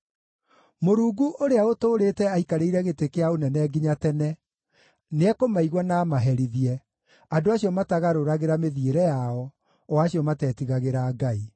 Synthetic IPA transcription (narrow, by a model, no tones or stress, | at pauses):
moɾuːɡuʔoɾeaotoːɾetɛaikaɾeiɾɛɣetekeaonɛnɛːɡiɲatɛnɛ | neɛkomaiɣwɔnaːmaɦɛɾiðiɛ | adoaɕiɔmataɣaɾoɾaɣeɾameðieɾɛjaɔ | waːɕiɔmatɛːtiɣaɣeɾaːɡai